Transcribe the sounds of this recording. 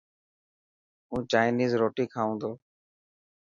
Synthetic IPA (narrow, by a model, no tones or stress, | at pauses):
ũːt͡ʃaːɪniːzɾoːʈiːkʰaːũːnd̪oː